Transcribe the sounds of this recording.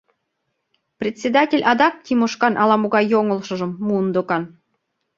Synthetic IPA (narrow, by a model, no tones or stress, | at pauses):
prʲet̪ʲsʲed̪ɑtʲelʲʔɑd̪ɑk̪̚ːʲimoʃkɑnʔɑlɑmoɣɑjoŋə̆lʃɤ̆ʒɤ̆mːund̪okɑn